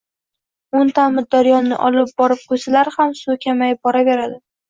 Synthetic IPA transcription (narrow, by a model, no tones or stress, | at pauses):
ʊnt̪ʰamɪɾd̪aɾijɒnnɪ̰ʔɒlɪp̚bɒɾɪp̚qʰojsalaɾhamsʊkʲʰamajɪp̚bɒɾave̞ɾad̪ɪ